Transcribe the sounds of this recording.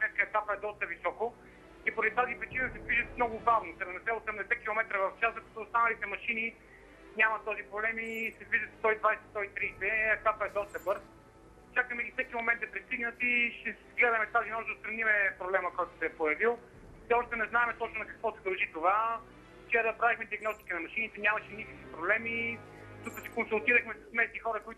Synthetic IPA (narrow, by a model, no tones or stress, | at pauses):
smɛt̪̚kəɛkapəɛd̪ɔst̪əvisɔko | ipoɾɐd̪it̪azipɾit͡ʃinəsɛzviʒət̪mnɔɡʊɡavnost̪ɛɾɛmnɛsɛot̪sɛmd̪ɛsɛkʲilˠomɛt̪ɾəvəft͡ʃaszɐkot̪oːst̪anɐlit̪ɛmɐʃini | nʲamɐt̪ɔzipɾoblɛmisɛzviʒət̪st̪ɔid̪vajsɛt̪ɔit̪ɾisɛɛk̪apəɛd̪ɔst̪əbɤɾ | t͡ʃakəmɛifsɛkimomɛnt̪ɐpɾist̪iɡnət̪iʃɛzɡlɛd̪əmɛt̪azinɔʒd̪əst̪ɾɐnimɛpɾoblɛmɐkɔjt̪ʊ̥sɛːpojɐvilˠ | sɛɔʃt̪ɛnɛznaɛmɛt̪ɔt͡ʃnʊnɐkəkvɔsɛd̪ɐlˠʒit̪ova | t͡ʃɛɾɐpɾavixmɛd̪iɐɡnɔst̪i̥kinɐmɐʃinit̪ɛnʲjamɐʃɛnikəkvipɾoblɛmi | t̪ukəsɛ̥konsulˠt̪iɾəxmɛsɐsmɛsnixɔɾəkoit̪